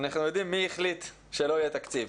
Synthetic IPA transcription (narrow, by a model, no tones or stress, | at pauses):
naχnujo̞d̪imːiiχlit̪ | ʃelo̞ijet̪akt͡siv